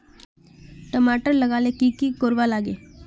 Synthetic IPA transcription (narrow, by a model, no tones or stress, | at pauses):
ʈəmaːʈəɾləɡaːleːkiːkiːkoɾʋaːlaːɡeː